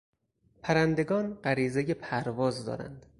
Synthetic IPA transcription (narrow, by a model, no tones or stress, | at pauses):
pʰæɾænd̪e̞ɡɒːnɢæɾiːzeje̞pʰæɾvɒːzd̪ɒ̰ːɾæ̰nd̪̥